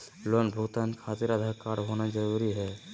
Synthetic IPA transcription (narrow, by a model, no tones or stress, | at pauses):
lonbʱʊɡt̪ankʰat̪iɾad̪ʱakːaɽɦonad͡ʒəɾuɾiɦɛ